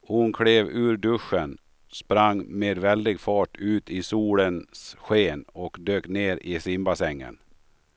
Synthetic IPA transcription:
hʊnkʰɽeːvʉ̟ːɾɖɵʂːən | spɾaŋːmeːd̪vɛld̪ɪɡfɑːʈʉ̟ːt̪ɪsuːlənsɧeːnɔkd̪øːkneːɾʔɪsɪmbasɛŋːə̰n

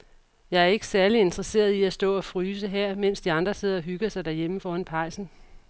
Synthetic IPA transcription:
jɑ̈ɪæɐe̝ɡ̥əsæɐlie̝nd̥ʁɐse̝̰ːɐðˠiæsd̥ɔ̰̽ːɒ̽fʁyːs̬əɦeɐ̰men̰sd̥iɑ̈nd̥ʁɐse̝ð̞̰ˠɐɒ̽ɦyɡ̥ɐsɑ̈ɪd̥æɐjeməfɒːænpʰɑ̈ɪ̰sn̩

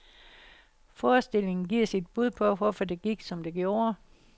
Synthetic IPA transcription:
fɒːsd̥e̝l̰e̝ŋn̩ɡ̥iɐ̰sid̥̚b̥uð̞̰ˠpʰɒ̽ʋɒfɒd̥e̝ɡ̥iɡ̥sɒ̽md̥e̝ɡ̥jo̝ːɐ

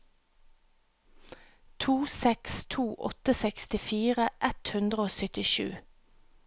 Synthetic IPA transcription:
t̪ʰuːsɛkst̪ʰuːʔɔ̰t̪əsɛkst̪ɪfiːʁəʔɛt̪hʉnd̪ʁəoːsʏt̪ɪʃʉ̰ː

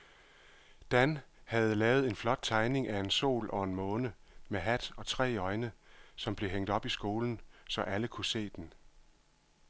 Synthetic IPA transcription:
d̥ænhæð̩ˠlɛːʊð̩ˠe̝nflɒ̽d̥̚t͡sʰɑ̈ɪne̝ŋʔæe̝nso̝̰ːlʔɒ̽e̝nmɔ̽ːnəmeɦæd̥ɒ̽t͡sʰʁɛ̰ːɒ̽ɪnəsɒ̽mb̥le̝ɦeŋ̰d̥ɒ̽b̥isɡ̥o̝ːln̩sɒ̽ʔæləkʰuse̝̰ːd̥en

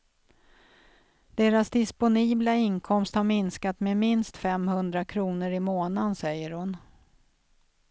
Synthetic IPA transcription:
d̪̥eːɾasd̪ɪspʊniːblaɪnkʰɔmst̪haɾmɪnskat̪memɪnst̪fɛmhɵnd̪ɾakʰɾuːnəɾɪmoːnansɛjːəɾhʊn

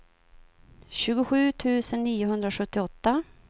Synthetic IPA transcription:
ɕʉ̟ːɡʊɧʉ̟ːt̪ʰʉ̟ːsənːiːʊɦɵnd̪ɾaɧɵt̪ːɪɔt̪ːa

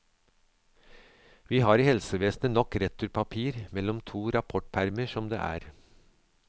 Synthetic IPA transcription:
ʋiːhɑːɾiːhɛlsəʋeːsnənɔkɾɛt̪ʰːʉɾpʰɑpʰiːɾmɛlɔmt̪ʰuːɾɑpʰɔʈpʰæɾməʃɔmd̪ḛːʔæ̰ːɾ

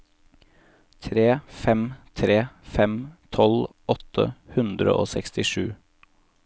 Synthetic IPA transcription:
t̪ʰɾeːfɛmt̪ʰɾeːfɛmt̪ʰɔl | ɔt̪ʰə̰hʉnd̪ɾə̰ʔoːsɛkst̪ɪʂʉː

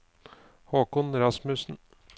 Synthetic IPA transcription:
hoːkʊnɾɑsmʉsn̩

